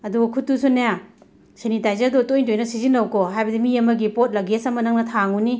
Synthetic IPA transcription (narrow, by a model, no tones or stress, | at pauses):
ɐduɡɐkʰutːusunaja | senitajzɐɾdotojtojnɐsizinːɐwkoɦajbɐdimiɐmɐɡipot̚lɐɡesɐmɐnɐŋnɐtʰaŋuni